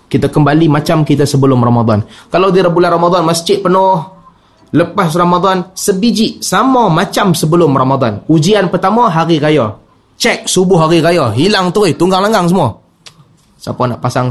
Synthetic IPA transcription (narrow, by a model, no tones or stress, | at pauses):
kit̪akəmbalimat͡ʃamkit̪asəbəlʊmramad̪ˤɔ̰nkalawdiɾabulanramad̪ɔnmast͡ʃɪʔ̚pənɔh | ləpas̬ramad̪ˤansəbid͡ʒɪʔsamɔmat͡ʃamsəbəlʊmramad̪ˤɔnud͡ʒianpərt̪amɔɦaɾikajɔ | t͡ʃɛk̚subʊhɦaɾikajɔɦilaŋt̪uɣɪht̪uŋɡaŋlaŋɡaŋsəmuɔ | sa̰pana̰ʔpasaŋ